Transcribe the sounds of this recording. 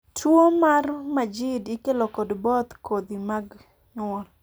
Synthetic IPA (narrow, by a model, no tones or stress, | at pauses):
tʰwomarmad͡ʒɪdikelokɔdbɔt̪kod̪imaɡ | ɲɔl